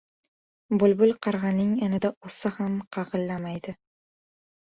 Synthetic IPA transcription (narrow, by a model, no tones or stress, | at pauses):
bʊlbʊlˠqʰɑɾʁɑnɪŋanɪd̪aosahamqʰɑʁɨlˠːamajd̪ɪ